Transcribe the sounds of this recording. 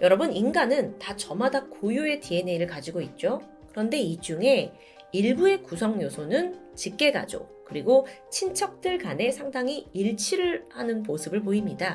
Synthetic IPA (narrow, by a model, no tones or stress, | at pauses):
jʌɾʌbɯninɡanɯntat͡ɕʌmadak̚k͈ojue̞tie̞ne̞ɾɯɭkad͡ʑiɡoit̚t͡ɕ͈o | kɯɾʌnde̞id͡ʑuŋe̞ | iɭbue̞kusʰʌŋjosʰonɯn | t͡ɕik̚k͈e̞ɡa̰d͡ʑo̰ | kɯɾiɡot͡ɕʰint͡ɕʰʌk̚t͈ɯɭkane̞sʰaŋdaŋiiɭt͡ɕʰiɾɯɭhanɯnmosʰɯbɯɭp̬oimɲida